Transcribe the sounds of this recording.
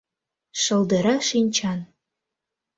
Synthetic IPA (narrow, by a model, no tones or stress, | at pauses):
ʃɤ̆lˠd̪əɾɑʃinʲt͡ɕʰɑn